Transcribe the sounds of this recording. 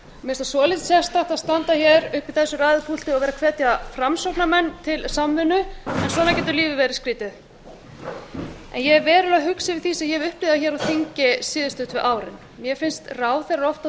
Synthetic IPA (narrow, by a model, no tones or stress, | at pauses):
mɛst̪asɔːlɪt̪sjɛst̪aht̪aðst̪ant̪açɛɾʏhpɪθɛsːʏɾaːðɪpʰul̥t̪ɪɔvɛːɾakʰvɛːt̪jafɾamsopnamɛnːt̪ʰɪlsamvʏnːʏɛnswɔːnaɾcɛːt̪ʏɾliːvɪvɛːɾɪskɾiːt̪ɪð | ɛ̰njɛɛɾvɛːɾʏlaɦʏksɪvɪðθisɛjɛɛvʏhplɪːðaçɛːɾawθiɲcɪsɪːðʏst̪ʏht̪vɪʔaːwɾɪ̰n | mjɛfɪnst̪raːwθɛraɾɔwft̪a